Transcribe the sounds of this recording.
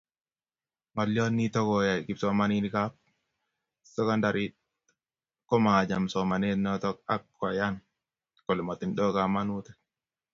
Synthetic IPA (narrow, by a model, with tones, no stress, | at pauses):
ma˨ljɔ˦nːi˦tɔ˦kɔ˨ja˨ki˨psɔ˦ma˨˦ni˦ni˨ka˦p̚ | sɛ˦ka˦nda˨ɾi˦t̚ | kɔ˦ma˨a˨d͡ʒa˨msɔ˨ma˨ne˦nɔ˦tɔ˦k̚a˦kːɔ˨ja˦n | kɔ˨lɛ˨ma˨ti˨nɗɔ˦ka˨ma˦nu˦tɛ̥